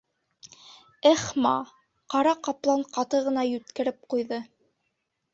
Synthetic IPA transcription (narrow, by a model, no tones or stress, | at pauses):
æχmɑ̰ | qɑɾɑqɑplˠɑɴqɑt̪ɤʁɤ̆nɑjʉt̪kɘ̆ɾɘp̚qujðɤ